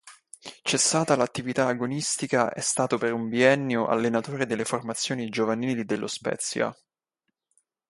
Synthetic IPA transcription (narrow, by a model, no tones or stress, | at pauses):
t͡ʃɛsːaːt̪alat̪ːivit̪aɡonist̪ikaʔɛ̰st̪aːt̪opeɾuɱbiɛnːjoʔa̰lːenat̪oːɾed̪elːeformat̪sːjoːnid͡ʒovaniːlid̪elːospɛ̰t̪sːja̰